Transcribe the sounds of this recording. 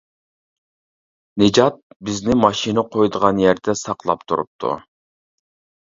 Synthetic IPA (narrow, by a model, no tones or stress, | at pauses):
nɪd͡ʒɑt̪̚bɪznɪmɑʃinəqʰojd̪əʁɑnjæɾd̪ɛsɑqlˠɑ̰pt̪ʰṵɾṵp̚t̪ʰṵ